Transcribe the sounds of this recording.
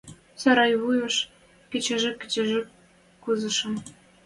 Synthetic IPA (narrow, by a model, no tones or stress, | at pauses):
sɑɾɑjβujɤ̆ʃ | kɘ̆t͡ɕɘ̆ʒɘ̆kʲːɘ̆t͡ɕĕʒĕk | kuzɤ̆ʃɤ̆m